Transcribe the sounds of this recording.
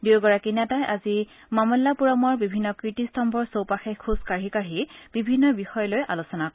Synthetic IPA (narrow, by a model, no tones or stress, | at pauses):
diwɡɔɹakinatajʔazi | mamɔlːapuɹɔmɔɹbibʱinːɔkɹitistɔmbʱɔɹsowpaxekʰːuskaɹikaɹib̥ibʱinːɔbixɔjɔlojʔa̰losɔnakɔ